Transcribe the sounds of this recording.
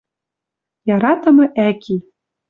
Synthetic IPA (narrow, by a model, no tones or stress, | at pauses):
jɑɾɑt̪ɤ̆mɤ̆ʔækʲʰi